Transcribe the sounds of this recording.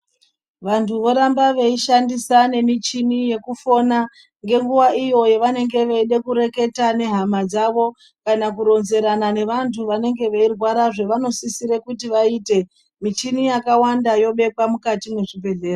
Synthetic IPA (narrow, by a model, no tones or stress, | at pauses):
ʋantʰuʋo̞ɾambaʋe̞iʃandisane̞mit͡ʃinije̞kufo̞na | ŋɡe̞ŋɡuʋaijo̞je̞ʋane̞ŋɡe̞ʋeiɗe̞kuɾe̞ke̞tane̞ɦamad͡zaʋo̞ | kanakuɾo̞nze̞ɾanane̞ʋantʰuʋane̞ŋɡe̞ʋe̞irwaɾaʐe̞ʋano̞sisiɾekutiʋaiːte̞ | mit͡ʃinijakawandajo̞ɓe̞kwamukatine̞ʐibʱe̞ɮe̞ːro